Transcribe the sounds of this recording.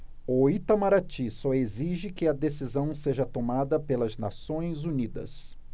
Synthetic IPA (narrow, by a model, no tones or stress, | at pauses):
oit̪amaɾat͡ʃisɔeziʒɪkɪɐd̪esizɐ̃w̃seʒɐt̪omad̪ɐpelɐzna̰sõj̃zunid̪ɐ̰s